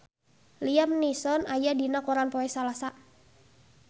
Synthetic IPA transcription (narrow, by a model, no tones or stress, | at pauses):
liamnisɔnajadinakuɾanpɔɛsalasa